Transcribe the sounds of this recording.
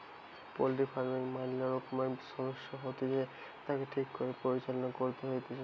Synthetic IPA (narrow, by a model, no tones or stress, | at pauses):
poliʈifaɾmiŋmamilaɾokmaʃɔd̪oʃːoɦot̪ed͡ʑe | t̪akeʈʰikːoɾepoɾit͡ɕalonakoɾt̪eɦojt̪ed͡ʑa